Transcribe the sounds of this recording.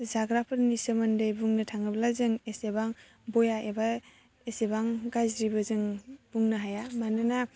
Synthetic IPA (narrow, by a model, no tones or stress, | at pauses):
zaɡɾapʰɯɾnisɯmɐndɯjbuŋnɯtʰaŋɯblazɯŋesebaŋ | bojaʔeba | esebaŋɡajzɾibɯzɯŋb̥uŋnaɦajamanɯna